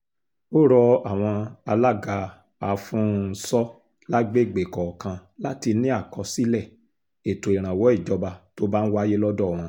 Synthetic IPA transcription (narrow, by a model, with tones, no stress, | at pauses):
o˦ɾɔ˧a˨w̃ɔ̃˧a˧la˦ɡa˧ | a˨fũ˦n̩˦sɔ˦ | la˦ɡ͡be˦˨ɡ͡be˨kɔ˨kã˧la˦ti˧nĩ˦a˦˨kɔ˧si˦lɛ˦˨ | e˨to˨i˨ɾ̃ã˨wɔ˨˦i˦˨d͡ʒɔ˧ba˧to˦ba˦n̩˦wa˦je˦lɔ˦dɔ˦˨w̃ɔ̃˧˦